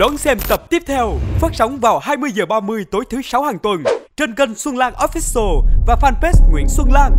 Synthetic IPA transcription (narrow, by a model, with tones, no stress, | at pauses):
ɗɔ˨˦nsɛ˧mt̪ə˨˩p̚t̪i˦˥əp̚t̪ʰɛ˧wfəː˦˥t̚sa˨˦wŋ͡mvaː˨˩whaː˧jmɨ˧əjzəː˨˩ɓaː˧mɨ˧əjt̪o˨˦jt̪ʰɨ˨˦sa˨˦whaː˨˩ŋt̪wə˨˩nt͡ɕe˧nɣə˧ŋswə˧nlaː˧ŋʔɔ˨˦˥fi˦˥o˧vaː˨˩faː˧npe˦˥st̚ŋwḭ˧˥ənswə˧nlaː˧ŋ